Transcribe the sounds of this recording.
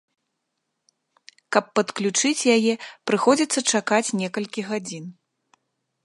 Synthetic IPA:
kɐpːɐt̪klʲut͡ʂɨt͡sʲjajɛpɾɨxɔd͡zʲit̪sːɐt͡ʂakat͡sʲnʲɛkɐlʲkʲiɣad͡zʲin

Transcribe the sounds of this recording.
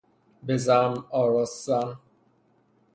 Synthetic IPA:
bezamɔɾɔsan

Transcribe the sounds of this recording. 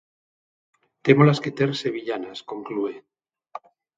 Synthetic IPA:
t̪emolasket̪eɾse̞βiʎanasko̞ŋklue

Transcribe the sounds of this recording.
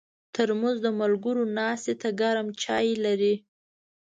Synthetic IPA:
t̪əɾmuzd̪əmalɡʊɾonɑst̪et̪aɡaɾamt͡ʃɑjlaɾi

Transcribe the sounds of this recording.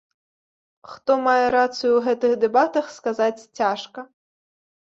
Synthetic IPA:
xt̪ɔmajɛɾat̪sɨjuwɣɛt̪ɨxd̪ɛbat̪ɐxskazat͡sʲt͡sʲaʂkɐ

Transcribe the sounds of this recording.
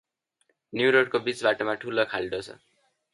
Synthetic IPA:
njuɾoɽkobit͡sbaʈomaʈʰulokʰald̪ot͡sʰʌ̰

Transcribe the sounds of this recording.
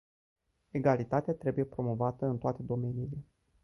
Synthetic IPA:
e̞ɡalit̪at̪eat̪ɾe̞buje̞pɾo̞mo̞vat̪əɨnt̪oat̪e̞d̪o̞me̞niːle̞

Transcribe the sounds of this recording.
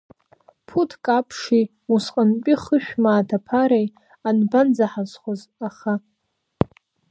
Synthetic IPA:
pʰutʰkʼapʰʂi | usqʼanpʲʷʼiχəʃᶣmaːtʰapʰaɾej | anband͡zaħazχozaχa

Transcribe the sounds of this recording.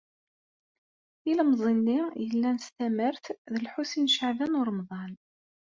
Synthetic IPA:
iləmzˤinːijəlːænəst̪æməɾθðəlħusinʃəʕðænʊɾˤmðˤɑn

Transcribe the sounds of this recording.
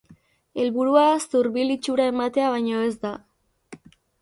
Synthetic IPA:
e̞lβuɾuast̪uɾβilit͡ʃuɾae̞mat̪e̞aβ̞ajɲo̞e̞zd̪a

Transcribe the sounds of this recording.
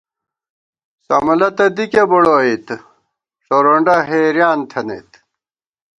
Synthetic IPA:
sɐ̰mɐlɐt̪ɐd̪ikebuɽoːit̪ | ʂoɾoɳɖɐɦeːɾjaːnt̪ʰɐnḛt̪

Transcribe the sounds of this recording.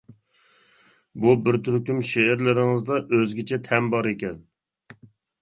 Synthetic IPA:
bubɪɾt̪ʰyɾkʲymʃeɪɾlɪɾɪŋɨzd̪ɑʔøzɡʲɪt͡ʃʰɛt̪ʰɛnbɑɾekʲɛn

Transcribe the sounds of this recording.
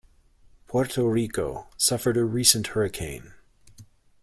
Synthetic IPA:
pʰɔɹtʰoɹikoʊsʌfə˞ɾɨɹisɨ̃nʔhɜ˞ɨkʰẽɪ̃n

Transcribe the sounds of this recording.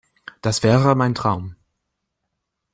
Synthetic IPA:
d̥asv̥ɛːʁəmaɪntʁ̥aʊm

